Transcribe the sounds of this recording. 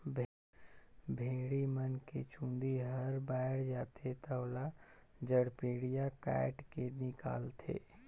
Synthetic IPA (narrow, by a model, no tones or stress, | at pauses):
bʱ | bʱeɽimənket͡ʃʰũnd̪iɦəɾbaɽd͡ʒaːt̪ʰet̪əla | d͡ʒəɽpeɽijaka̰ɪʈkenika̰ːlt̪ʰḛ